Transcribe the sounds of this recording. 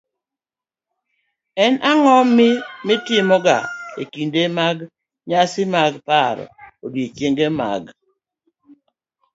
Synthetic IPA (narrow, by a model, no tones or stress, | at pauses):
ɛnaŋɔmːɪmɪtɪmɔɡa̰ḛkindemaɡ | ɲasɪmaɡpaɾ̰odwet͡ʃeŋɡema̰ɡ